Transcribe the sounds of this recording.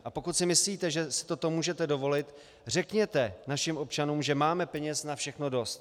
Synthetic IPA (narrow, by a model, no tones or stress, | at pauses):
ʔapo̞kut̪sɪmɪsliːt̪ɛʒɛsɪ̥t̪o̞t̪o̞muːʒɛt̪ɛdo̞vo̞lɪt̪ | r̝ɛkɲɛt̪ɛnaʃɪmʔo̞p̚t͡ʃanuːmʒɛmaːmɛpɛɲɛsnafʃɛxno̞do̞st̪̚